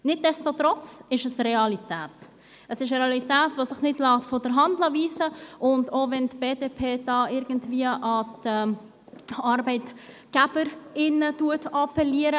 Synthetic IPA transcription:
nɪd̚dɛstotɾɔt͡sɪʃəsɾɛɑlitɛːt | əsɪʃɾeɑlitæːtvosɪχnɪdlɑːtfɔdəɾɦɑndlɑviːsəʔʊndovɛntb̥eːdepʰeːd̥ɑːɪɾɡ̥ən̩tviəʔɑtɛ | ɑɾbɛɪt | ɡ̥æb̥əɾɪnətuətɑpɛliəɾə

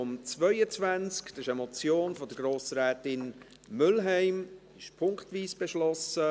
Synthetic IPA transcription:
ʊmt͡svœʏət͡svænt͡skd̥̪ɑsɪʃəmɔt͡sjoːnfɔd̪əɡɾoːsɾɛːtɪn | mʏlɦɛɪm | ɪʃpʰʊŋktviːsb̥eʃlɔsə

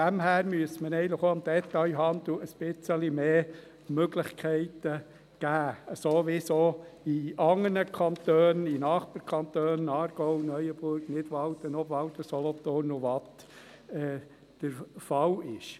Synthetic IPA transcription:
dæmɦæːɾmyəsmənɛɪnləχoːɑmd̥̪ɛtːɑjɦɑnd̪l̩əsb̥ɪt͡səlimeː | møɡlɪχkʰɛɪtə | ɡ̥æːəsoːʋɪsoːiɑŋənəkʰɑnt̪øːninɑːχpɑɾkʰɑnt̪øːnɑːɾɡ̥ɔʊwnœjəb̥ʊɾɡnɪdʋɑlt̪ənɔbʋɑlt̪əsɔlɔt̪ornʊʋɑt̪ | ɛː | d̪̥əɾfɑlɪʃ

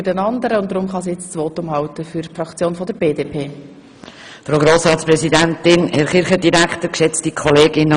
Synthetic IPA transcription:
ydɛnɑnd̪əɾəʊnt̚d̪ɾʊmχɑs̬ijɛt͡st͡sʋoːtʊmɦɑwtəfyɾfrɑkt͡sjoːnfɔdəɾb̥eːdeːpʰeː | fɾoːɡɾoːsɾɑːtspɾɛsidæntɪnhɛɾχɪɾχədiɾækt̪əkʃɛt͡stikʰɔleːɡɪnə

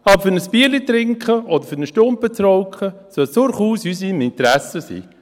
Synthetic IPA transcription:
ɑbəfʏɾnəsb̥iəlit̪ɾɪŋkχəʔɔd̪əɾfʏɾnəʃtʊmpətɾɔʊkχəsœlt͡sʊɾχuːsysimɪnt̪ɾæsəsḭː

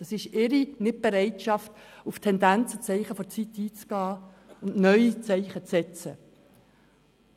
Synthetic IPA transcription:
d̥ɑsɪʃɪɾinɪt̚b̥ɛɾɛɪtʃɑftuftʰɛndænt͡sət͡sɛɪχəfɔt͡sit̪iːt͡sɡ̥ɑː | ʊndnœʏit͡sɛɪχət͡sɛt͡sə

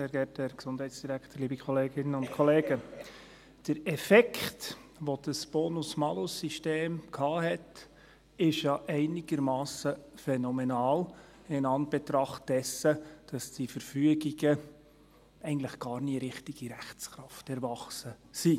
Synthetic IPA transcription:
sɛːɾɡɛtɛɾksʊnd̥hɛɪtsd̥iɾæktəɾliːbikχɔleːɡɪnːənʊntkʰɔleːɡ̥ə | d̥əɾɛfɛkʰt | ʋod̥əsb̥ɔːnusmɑlosiʃteːmkʰhɑːɦɛt | ɪʃjɑʔɛɪnɪɡəɾmɑːsəfɛnɔmɛnɑːl | ɪnɑnb̥ɛtɾɑχt̚d̥ɛsəd̥ɑsd̥ifəɾfyəɡiɡə | ɛɪɡntlɪχɡ̥ɑːɾniəɾɪχtiɡ̥iɾæχt͡sχɾɑftɛɾvɑχsə | si

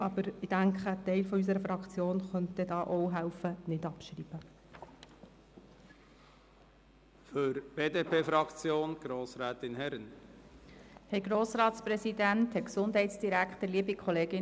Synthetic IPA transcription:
ʔɑːbəɾɪd̥æŋkχətɛɪlfɔys̬əɾəfɾɑkt͡sjoːnχœntɛdɑːʔɔwɦæʊfənɪdɑpʃɾiːb̥ə | føɾb̥eːdepʰeːfɾɑkt͡sjoːnɡ̥ɾoːsɾɛːt̪ɪnhɛɾən | hɛɪɡɾoːsɾɑːtspɾɛsidænthɛksʊndɦɛɪtsd̥iɾæktəɾliəbikʰχɔleːɡɪ

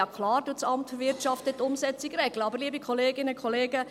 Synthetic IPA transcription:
ɑkʰlɑːɾd̥ut͡sɑmtʋɪrtt͡ʃɑftət̪ːʊmsɛt͡siɡɾɛɡləɑbəɾliːəbikʰɔleːɡɪnəkʰɔleːɡə

